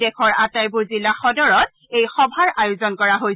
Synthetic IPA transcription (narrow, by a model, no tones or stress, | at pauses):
ɛkʰɔɹatajbʊɹzilːaxɔdɔɹɔt̚ | ejxɔbʱaɹʔajozɔnkɔɹaɦoj